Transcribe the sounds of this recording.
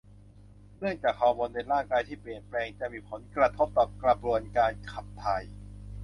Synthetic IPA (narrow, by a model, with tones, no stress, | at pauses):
nɯ˥˩əŋt͡ɕaː˨˩k̚ʰːɔː˧moː˧nde˧nɾaː˥˩ŋkaː˧jt̪ʰiː˥˩pli˨˩ənplɛː˧ŋt͡ɕa˨˩ʔmiː˧˩pʰo˩˦nkɾa˧t̪ʰo˦˥p̚t̪ɔː˨˩kɾa˧bɾu˧˩ənkaː˧nkʰa˨˩p̚t̪ʰa˧j